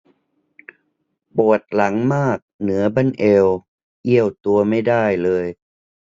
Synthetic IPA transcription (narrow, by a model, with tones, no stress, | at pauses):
pu˨˩ət̪̚la˩˦ŋmaː˥˩k̚nɯ˩˦ɐba˥˩nʔe˧w | ʔi˥˩əwt̪u˧ɐma˥˩jda˥˩jlɤː˧j